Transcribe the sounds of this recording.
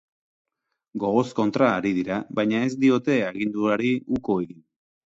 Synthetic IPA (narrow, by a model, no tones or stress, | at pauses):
ɡo̞ɣo̞sko̞nt̪ɾaːɾiðiɾaβajɲae̞zd̪io̞t̪e̞aɣ̞ind̪uaɾiuko̞eɣin